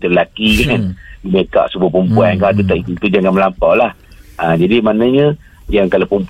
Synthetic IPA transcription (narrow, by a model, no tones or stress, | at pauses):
t̪əllakikanlubeka̰ʔsubupumpuankat̪ut̪aʔit̪ut̪ud͡ʒaŋãnməlampawlah | ad͡ʒadimanaɲə | jaŋkalapump